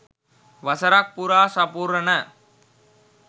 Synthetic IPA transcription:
ʋɐsɐɾaːk̚puɾaːsɐpuːɾɐnɐ

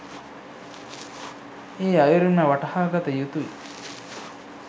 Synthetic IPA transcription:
eːɐjuɾunɐʋɐʈɐhaːɡɐt̪ɐjut̪uʋi

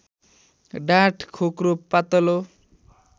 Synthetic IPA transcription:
ɖaʈʰkʰokɾopat̪ɔlo

